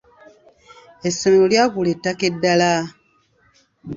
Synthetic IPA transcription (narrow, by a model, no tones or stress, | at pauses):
esːomeloljaːkuletːakedːala